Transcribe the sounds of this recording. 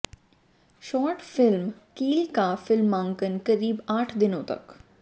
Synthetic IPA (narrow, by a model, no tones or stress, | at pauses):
ʃɔːɾʈfɪlmkiːlkafɪlmːãːŋkənkɐɾiːbaːʈʰd̪ɪnõt̪ɐ̰k